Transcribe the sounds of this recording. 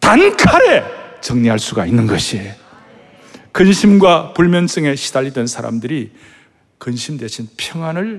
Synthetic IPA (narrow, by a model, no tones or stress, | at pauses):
tankʰaɾe̞t͡ɕʌŋɲiɦaɭs͈uɡainːɯnɡʌɕʰie | kɯnɕʰimɡwapuɭmjʌnt͡ɕ͈ɯŋe̞ɕʰid̥aʎːidwe̞nsʰaɾa̰mdɯɾi | kɯnɕʰimdwe̞ɕʰinpʰjʌŋɦwanɯɭ